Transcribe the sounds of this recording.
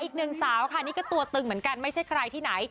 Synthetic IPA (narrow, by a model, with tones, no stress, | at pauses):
ʔiː˨˩k̚nɯ˨˩ŋsaː˨˩˦wkʰa˥˩niː˥kɔ˥˩t̪u˧ɐt̪ɯ˧ŋmɯ˩˦ənka˧nma˥˩jt͡ɕʰa˥˩jkʰɾa˧jt̪ʰiː˥˩na˩˦j